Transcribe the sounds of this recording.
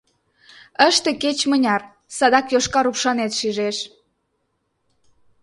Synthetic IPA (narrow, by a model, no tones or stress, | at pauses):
əʃt̪eket͡ɕmənʲɑr | sɑd̪ɑkjoʃkɑɾupʃɑnet̪ʃiʒeʃ